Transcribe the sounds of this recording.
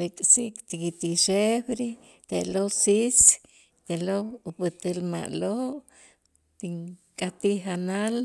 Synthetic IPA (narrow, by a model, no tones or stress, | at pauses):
ikʼsikt̪ikit̪iʃebɾi | t̪elosis | t̪eloupɨt̪əlma̰ʔloʔ | t̪iŋkʼat̪iɦanal